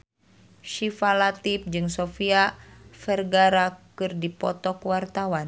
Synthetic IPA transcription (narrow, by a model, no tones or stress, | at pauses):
ʃifalat̪ip̚d͡ʒɨŋsofiafɛrɡaɾakɨrdipɔ̰t̪ɔkwart̪awan